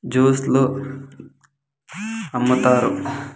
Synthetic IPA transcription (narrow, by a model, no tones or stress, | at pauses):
d͡ʒuːslu | ɐmːut̪aːɾu